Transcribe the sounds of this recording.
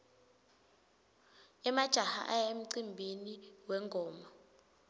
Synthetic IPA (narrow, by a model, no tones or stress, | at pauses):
ɛmad̥ʒ̥ʱaha̰ʔajem̩ǀimbʱiniwɛŋɡʱɔːma